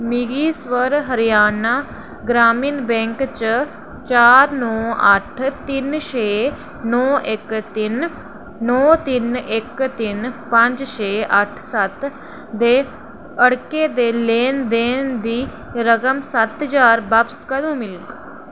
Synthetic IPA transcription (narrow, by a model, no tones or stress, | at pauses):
miɡiːswəɾɦəɾɪjaːnaː | ɡɾaːmiːnbɛ̃ːŋkt͡ʃ | t͡ʃaːɾnɔːəʈʰt̪ɪnʃeː | nɔːʔɪkt̪ɪnː | ɔːt̪ɪnɪkt̪ɪnpə̃ɲd͡ʒt͡ʃeːʔəʈʰsət̪ | d̪eː | əɽkeːd̪eːleːnd̪eːnd̪iː | ɾəɡəmsət̪d͡ʒaːɾbəpskəd̪ũːmɪlk